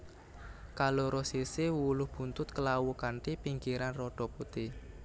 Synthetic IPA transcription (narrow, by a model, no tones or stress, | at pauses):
kaloɾɔsisɪwulʊhb̥ṳnt̪ʊt̪̚kəlawukant̪ipiŋɡiɾanrɔɖ̥ɔ̤put̪i